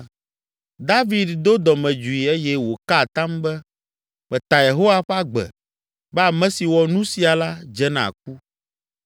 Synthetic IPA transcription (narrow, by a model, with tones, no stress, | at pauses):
d̪a˦vi˨d̪d̪o˦d̪ɔ˨mɛ̃˨d͡ʒu˨i˨e˦jɛ˦wo˨ka˦˨t̪ã˦mbɛ˦ | mɛ̃˨t̪a˨je˨ɦo˦wa˦ɸa˦ɡ͡bɛ̰˨ | bɛ˦a˨mɛ̃˦si˨wɔ˨nũ˦si˨a˨la˦d͡ʒɛ˦nã̰˨k̚u˦